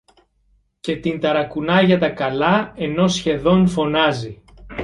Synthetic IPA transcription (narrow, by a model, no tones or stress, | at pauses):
ce̞t̪int̪ɐɾɐkunɐʝɐt̪ɐkɐlɐe̞no̞sçe̞ðo̞nfo̞nɐzi